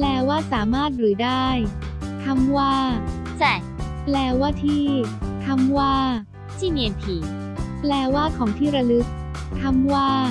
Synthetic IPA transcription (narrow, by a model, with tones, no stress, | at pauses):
plɛː˧waː˥˩saː˩˦maː˥˩t̪̚ɾɯː˩˦daː˥˩j | t̪ʰa˧mwaː˥˩ | sɛ˨˩ | plɛː˧waː˥˩t̪ʰiː˥˩t̪ʰa˧˥mwaː˥˩ | t̪ʰiː˥˩miː˧ʔe˧npʰiː˧˩ | plɛː˧waː˥˩kʰɔː˩˦ŋt̪ʰiː˥˩ɾa˧lɯ˦˥k̚ | t̪ʰa˧˥mwaː˥˩